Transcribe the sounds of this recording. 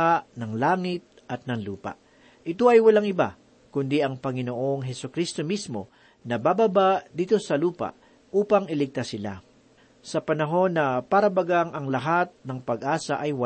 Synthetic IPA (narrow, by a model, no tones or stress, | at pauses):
aʔnɐŋlaːŋɪt̪̚ʔɐt̪̚nɐŋlṵːpa̰ʔ | ʔɪt̪o̞ʔɐjwɐlaŋɪba̰ | kʊnd̪iʔɐŋpɐŋɪno̞ʔo̞ŋɦɛsʊkɾist̪o̞mismo̞ | nɐbabɐbad̪iːt̪o̞sɐluːpa̰ʔ | ʔuːpɐŋɪlɪɡ̚t̪asɪla̰ | sɐpɐnɐɦo̞nːɐpaɾɐbɐɡaŋɐŋlɐɦat̪̚nɐŋpɐɡʔaːsɐʔɐjwɐ